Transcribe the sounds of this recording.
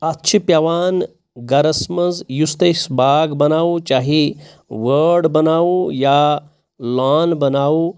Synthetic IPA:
ɐtːt͡ʃʰipjaʋaːn | ɡɐɾɐsmɐzjust̪esbaːɡbɐnaːut͡ʃaːɦi | ʋəɾɖbɐnaːuja | laːnbɐnaːu

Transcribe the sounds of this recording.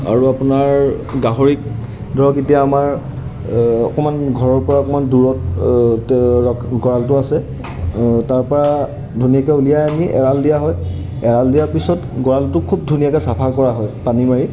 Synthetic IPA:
a̰ɹuapunaɹɡaɦoɹik̚ | dɔketijaːmaɹ | ɔ̰kɔmanɡʱɔɹɔɹpɔɹaɔkɔmanduɹɔt̚ | ɔkʰɡɔɹaltʊasɛ | taɹpɔɹa | dʱunijakɛulijajamiʔɛ̰ɹaldijaɦɔj | ɛɹaldijaɹpisɔtɡɔɹaltʊkʰub̚dʱunijakɛsapʰakɔɹaɦɔjpanimaɹi

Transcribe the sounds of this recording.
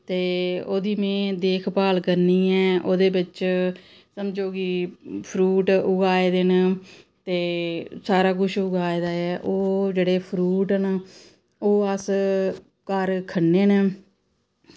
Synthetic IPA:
t̪eːoːd̪iːmẽːd̪eːkʰpaːlkəɾniːɛːʔoːd̪eːbɪt͡ʃ | səmd͡ʒoːkɪpʰɾuːʈʊɡaːeːd̪ent̪eːsaːɾaːk̬ʊʃʰʊɡaːed̪aːɛːʔoːd͡ʒeːɽeːpʰɾuːʈən | oːəs | kəɾkʰənːeːn

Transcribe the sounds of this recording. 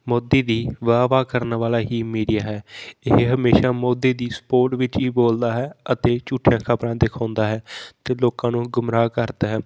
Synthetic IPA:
moːd̪eːd̪iːʋaːʋaːkəɾnʋaːlaːɦiːmiːɖijaːɦɛːɪɦɦəmeːʃaːmoːd̪iːd̪iːsə̥poːɾʈʋɪt͡ʃiːboːld̪aːɦɛːət̪eːt͡ʃuːʈʰːjãːkʰapɾãːd̪ekʰãːnd̪aːɦɛːt̪eːloːkãːnũːɡʊmɾaːkəɾd̪aːɦɛː

